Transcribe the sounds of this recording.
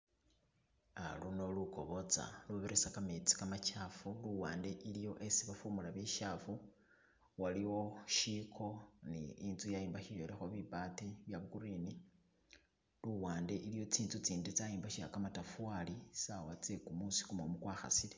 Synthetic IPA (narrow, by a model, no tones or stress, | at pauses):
a̰luno̞luko̞̰βo̞t͡sa̰luβeɾesakamet͡si̥kamat͡ʃafuluwaːnde̞ʔilijo̞ʔesiβafumulaβiʃafu | waliwo̞ʃikʰo̞nḭinzujajiːmbaʃijolexo̞βibatiβjaβukuɾiːni | luwaːnde̞ʔilijo̞t͡siːnt͡sut͡siːndet͡sajiːmbaʃia̰kamatafuwalisawat͡sekumusi̥kumomukwaːxa̰sile